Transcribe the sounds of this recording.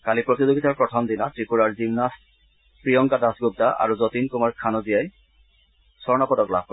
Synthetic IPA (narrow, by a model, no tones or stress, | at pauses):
kalipɹot̪izoɡitaɹpɹɔtʰɔmd̪inatɹipuɹaɹzimnas | pɹijɔŋkadasɡub̚taʔa̰ɹuzɔtinkumaɹkʰanɔzijaj | sɔɹnapɔdɔkla̰b̚